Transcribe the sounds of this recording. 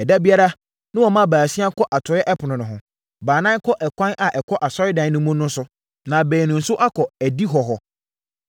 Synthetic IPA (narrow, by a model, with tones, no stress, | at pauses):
ɛ˨da˦bi˦a˦ɾa˦ | nʊ̃˦wɔ˨mã˦baː˨si˦a˦kʰɔ˦ʔa˨tʰʊ˨˦ɛ˦ʔɛ˦pʰʊ˨nʊ̃˨nʊ̃˨ɦʊ̃˨ | baː˨nã˦kʰɔ˦ʔɛ˨kʷʰã˦nʔa˨ʔɛ˨kʰɔ˦ʔa˨sɔ˦ɾɪ˦dã˨n˦nʊ̃˦mʊ̃˦nʊ̃˦sʊ˦ | nã˨bɛː˨nʊ̃˨n̩˨sʊ˦ʔa˦kʰɔ˨æ˨di˦ɦɔ˨ɦɔ˨